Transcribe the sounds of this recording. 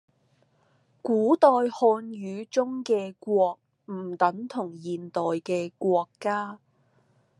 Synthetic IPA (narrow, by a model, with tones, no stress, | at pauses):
kuː˨˥t̪ɔː˧jhɔː˧nɥyː˨˧t͡ʃʊ˥ŋkɛː˧kʷwɔː˧k̚ | m̩˨˩t̪ɐ˨˥ŋt̪ʰʊ˨˩ŋjiː˨nt̪ɔː˨jkɛː˧kʷwɔː˧kːaː˥